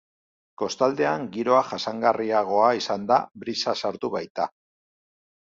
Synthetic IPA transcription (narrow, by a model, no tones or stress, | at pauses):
ko̞st̪ald̪e̞aŋɡiɾo̞aʝasaŋɡariaɣ̞o̞aisand̪a̰βɾisasaɾt̪uβajt̪a